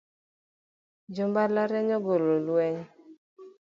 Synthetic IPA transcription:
d͡ʒombalaɾɛɲɔɡololuɛɲ

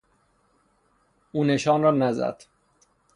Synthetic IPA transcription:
uːne̞ʃɒːnrɒːnæzæ̰d̪̥

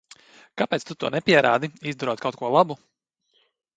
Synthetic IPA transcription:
kapeɛːt̪st̪ut̪uɔnɛpʲiɛɾa̰ːd̪iizd̪uɾɔt̪kawt̪kuɔlˠabu

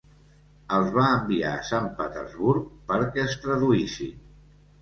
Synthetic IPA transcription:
əlˠzβaəmbiaəsampət̪ə̰ɾzβuɾk̚pəɾkɛəst̪ɾəðuisḭ

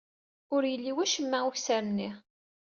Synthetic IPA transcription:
ʊɾjəlːiwæʃəmːæuçsæɾmni

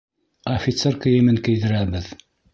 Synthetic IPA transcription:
ɐfʲit̪serkɘ̆jɘ̆mɘŋkɘ̆jðɘ̆ɾæbɘð

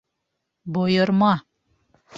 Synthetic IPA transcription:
bojɤ̆ɾmɑ

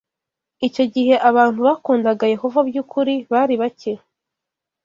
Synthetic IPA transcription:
ico̞ɟiɦe̞ʔaβaːntuβakuːndaɡaje̞ho̞vabjuːkʰuɾiβaːɾiβace

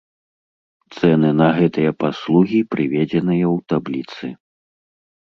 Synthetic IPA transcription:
t̪sɛnɨnɐɣɛt̪ɨjɐpaslˠuɣʲipɾɨvʲɛd͡zʲɛnɨjɐwt̪ablʲit̪sɨ

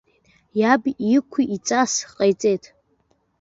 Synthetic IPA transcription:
jabikʷʰiʔit͡sʼasqʼajt͡sʼejtʰʼ

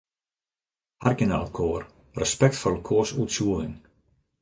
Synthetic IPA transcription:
arɡəna̰lˠkʰoːr | rəspɛk̚tfɔləkʰoːsutsuəlɪŋ

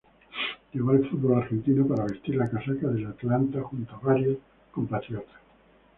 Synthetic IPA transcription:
ʎeβoaelfut̪̚βolaɾxe̞nt̪inopaɾaβe̞st̪iɾlakasakaðelat̪lant̪axunt̪oaβaɾjos | kompat̪ɾjot̪e̥

